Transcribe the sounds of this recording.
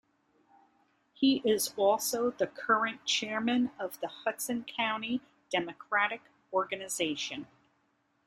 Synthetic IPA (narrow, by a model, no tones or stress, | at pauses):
hiʔɪzɔlˠsoʊðɨkʰɜ˞ɨ̃nt͡ʃʰɛɹmɨ̃nʌvðəhʌtsɨ̃nkʰãʊ̃ni | d̥ɛmɨkʰɹ̥æɾɨk | ɔɹɡɨnɨzeɪʃɨ̃n